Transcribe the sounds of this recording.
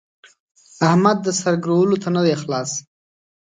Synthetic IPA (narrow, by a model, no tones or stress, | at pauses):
ahmad̪̚ːəsaɾɡɾowəlot̪anad̪exlɑs